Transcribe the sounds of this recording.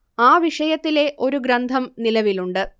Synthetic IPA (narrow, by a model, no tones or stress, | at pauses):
aːʋiʂɐjɐt̪ːile̞ʔo̞ɾuɡɾɐnd̪ʱɐmnilɐʋiluɳɖɨ